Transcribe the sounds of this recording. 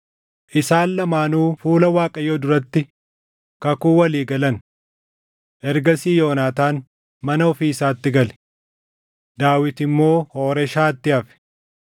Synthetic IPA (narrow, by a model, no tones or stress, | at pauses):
ʔɪsaːllɐmaːnuːfuːlɐwaːkʼɐjoːd̪ʊɾɐt̪ːɪ | kɐkuːwɐliːɡɐlɐn | ʔɛɾɡɐsiːjo̞ːnaːt̪aːn | mɐnɐɔfiːsaːt̪ːɪɡɐlɛ̥ | d̪̥aːwɪt̪ɪmːo̞ːhoːɾɛʃaːt̪ːɪɐfɛ̥